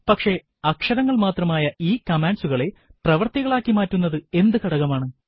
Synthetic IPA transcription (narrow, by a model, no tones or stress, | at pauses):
pɐkʂe̞ | ɐkʂɐɾɐŋːɐɭmaːt̪rɐmaːjɐʔiːkɐmaːɳɖsuɣɐɭe̞prɐʋɐrt̪iɣɐɭaːkːimaːtːunːɐðɨe̞nd̪ɨkɐɽɐɣɐmaːɳɨ